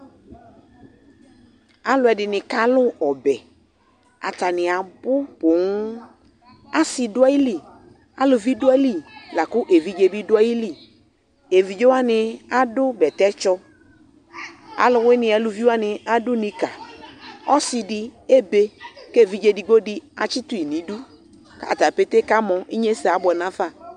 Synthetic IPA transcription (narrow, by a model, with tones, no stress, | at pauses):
a˦lʊ˨ɛ˨dɪ˨nɪ˨ka˦lʊ˦ɔ˨bɛ˨ | a̰˨ta˨nɪ˨a˨bʊ˦pʊ˨ŋʊ˦ | a˦sɪ˨dʊ˦a˦i˦li˨ | a̰˨˦lʊ˨vi˦dʊ˦a˦li˨la˨kʊ˦ʔe˨vi˦d͡ʒe˦bi˦dʊ˦a˦ji˦li˨ | e˨vi˨d͡ʒe˦a˦nɪ˨a˦dʊ˦bɛ˨tɛ˦t͡ʃɔ˦ | a̰˨lʊ˨we˦nɪ̃˨a˨lʊ˨vi˦wa˦nɪ˨a˦dʊ˦nĩ˨ka˨ | ɔ˦sɪ˨dɪ˦e˦be˦ke˦˨vi˦d͡ʒe˦di˨ɡo˦dɪ˦a̰˨t͡ʃɪ˦tu˦i˨nĩ˨˦du˦ | ka̰˨ta˨pe˦te˦ka˦mɔ˨i˦ɲe˦sɛ˨a˨˦bɔ˨nã˦fa˦˨